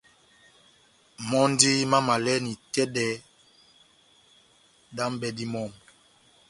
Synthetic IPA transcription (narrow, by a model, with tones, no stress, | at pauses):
mɔ˦n˦di˦ma˦ma˨lɛ˦ni˨tɛ˦dɛ˨ | da˦m˦bɛ˨di˦mɔ˦˨m